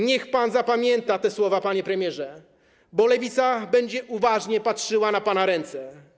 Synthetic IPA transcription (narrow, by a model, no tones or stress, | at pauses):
ɲɛxpanzapamʲjɛnt̪at̪ɛswɔvapaɲɛpɾɛmʲjɛʐɛ | bɔlɛvʲit̪sabɛɲd͡ʑɛʔuvaʐɲɛpatʂɘwanapanaɾɛnt̪sɛ